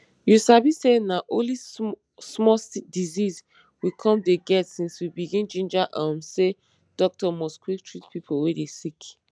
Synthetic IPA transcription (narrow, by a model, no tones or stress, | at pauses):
jusabisenaʔõli | smɔsdiziz | wikʰɔ̃mdeɡɛtsĩnswibiɡĩnd͡ʒĩnd͡ʒaʔãmse | d̥ɔk̚tɔmɔskwik̚tʰɹitpipʰowedesik